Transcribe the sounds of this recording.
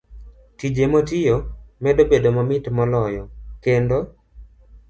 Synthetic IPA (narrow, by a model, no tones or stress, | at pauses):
tid͡ʒemotijomɛdobedomɔmɪtmɔlɔjɔkendo